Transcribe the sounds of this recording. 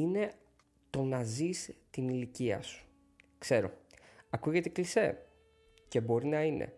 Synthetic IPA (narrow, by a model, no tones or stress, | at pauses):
ine̞ | t̪o̞nɐzist̪iniliciɐ̰su̥ | kse̞ɾo̞̰ɐkuʝe̞t̪e̞klise̞̰ | ce̞bo̞ɾinɐine̞̰